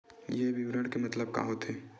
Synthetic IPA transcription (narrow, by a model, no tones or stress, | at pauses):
jeʋɪʋɾəɳɽkemɐt̪ləb̚ka̰ːɦot̪ʰeː